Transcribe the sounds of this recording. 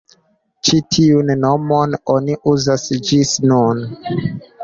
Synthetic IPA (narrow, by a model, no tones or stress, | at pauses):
t͡ʃitʰiunːomononiʔuzasd͡ʒisnun